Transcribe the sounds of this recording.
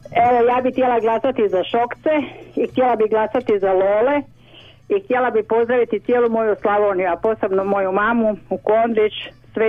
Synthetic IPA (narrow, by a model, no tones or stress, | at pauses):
eʋojaːbixt̪ʲje̞lˠaɡlˠasat̪izaʃo̞kt̪seixt̪jelabiɡlˠasat̪izaloːle | ixt̪jelabipo̞zd̪ɾaʋit̪it̪sjeːlumo̞juslˠaʋoːnjuapo̞ːsebnomo̞jumaːmuukond̪ɾit͡ʃsʋe